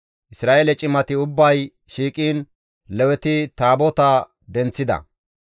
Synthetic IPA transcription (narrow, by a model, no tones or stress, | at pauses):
ʔɪsɾaːeːlɛt͡ʃʼɪmɐt̪ɪʊbːɐj | ʃiːkʼiːn | lɛwɛt̪ɪt̪aːbɔt̪ɐ | d̪ɛnt͡sːɪd̪ɐ̰